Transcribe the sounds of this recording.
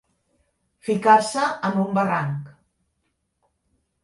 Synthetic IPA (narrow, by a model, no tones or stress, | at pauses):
fikasəəmumbəraŋk